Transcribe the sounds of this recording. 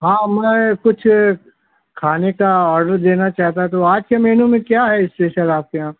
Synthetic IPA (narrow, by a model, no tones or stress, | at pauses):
ɦãːmɛ̃kʊt͡ʃʰ | kʰaːnekaɔːɾɖəɾd̪eːnat͡ʃaːɦt̪at̪oaːd͡ʒkemɛːnũmẽkjaɦɛɪsʈeːʃəɾaːp̚keɦãː